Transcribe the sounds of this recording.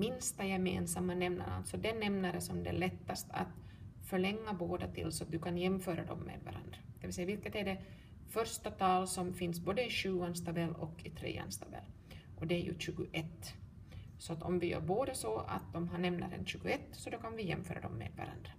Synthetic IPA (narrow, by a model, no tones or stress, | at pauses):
mɪnst̪ajɛmḛːnsamːanɛmna̰ɾa̰lt̪sɔd̪ɛɛnɛmnaɾəsɔmd̪ɛ̰ɭɛt̪ːast̪ʰa̰t̪ | fœɭɛŋːaboːd̪at̪ʰɪ̰lsɔat̪̚d̪ɵkʰanjɛmːføːɾad̪ɔ̰mːḛːd̪va̰ɾʔa̰nd̪ɾad̪̥ɛvɪlsɛjavɪlkət̪æɖɛ | fœɾʂt̪at̪ʰɑːlsɔmfɪnsboːd̪əɪɕʉ̟ːanst̪ʰabɛlːɔkːɪt̪ʰɾḛːa̰nst̪ʰabɛ̰lː | ʔɔd̪ɛæɾjɵ̰ɕʉ̟ːɡʊʔɛt̪ː | sɔat̪ɔmvɪjœ̰ːɾboːd̪asɔa̰t̪̚d̪ɔmɦaɳɛmna̰ɾɛ̰nɕʉ̟ːɡʊɛt̪ːsɔd̪ɔkanvɪjɛ̰mːfœ̰ːɾa̰d̪ɔmːḛːd̪va̰ɾa̰nd̪ɾa